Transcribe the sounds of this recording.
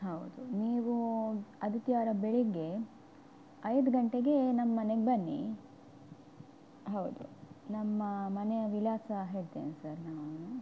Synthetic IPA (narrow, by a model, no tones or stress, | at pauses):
ɦɐwd̪uniːʋuɐd̪ʱit̪ijaːɾɐbeɭiɡe̞ | ɐjd̪ɡɐɳʈeɡe̞nɐmːɐːɐneɡbɐnːḭ | ɦɐwd̪unɐmːɐmɐnejɐʋilaːsɐɦeːɾt̪eːnsɐɾnaːʋ